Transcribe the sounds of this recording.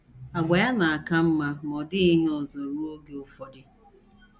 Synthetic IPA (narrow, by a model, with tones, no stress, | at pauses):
a˨ɡʷa˨ja˦na˨a˨ka˦m̩˦ma˦mɔ˨dɪ˦i˦n˦o˨zo˨ɾu˦o˦ɡe˦o˦fɔ˦dɪ˦